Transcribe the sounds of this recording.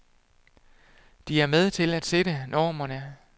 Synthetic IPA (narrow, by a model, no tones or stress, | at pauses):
d̥iæɐmeð̞ˠt͡sʰe̝læd̥se̝ɾənʔɒːmɐnə